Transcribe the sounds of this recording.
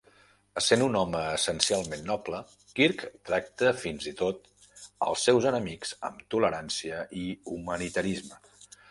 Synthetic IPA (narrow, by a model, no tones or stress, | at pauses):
əsenunɔməːsənsialˠmenːɔplə | kiɾkt̪ɾak̚t̪əfinzit̪ot̪ | ə̰lˠsɛwzənəmikz̥ə̰mt̪uləɾansiəiumənit̪əɾizmə